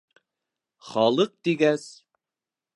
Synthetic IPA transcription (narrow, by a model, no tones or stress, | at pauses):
χɑlˠɤq̚t̪iɡæs